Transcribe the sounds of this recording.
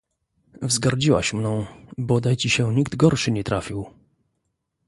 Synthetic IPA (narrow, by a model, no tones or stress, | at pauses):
vzɡaɾd͡ʑiwa̰ɕmnɔ̃w̃bɔd̪ajt͡ɕiɕɛ̃ɲiɡd̪ɡɔɾʂɘɲɛt̪ɾafʲiw